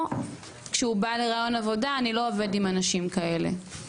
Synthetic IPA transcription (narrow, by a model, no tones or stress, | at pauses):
kʃeubale̞ʁaːjonavo̞daːnilo̞ːve̞dimanaʃimkae̞le̞̰